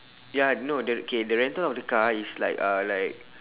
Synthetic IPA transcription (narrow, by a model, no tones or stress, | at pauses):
janodəokʰedəɹɛ̃ntəlɔfdəkaisla̰ɪkalaɪk̚